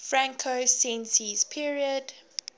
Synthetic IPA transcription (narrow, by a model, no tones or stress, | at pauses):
fɹãŋkʰosɛ̃nsiz̥pʰiɹiəd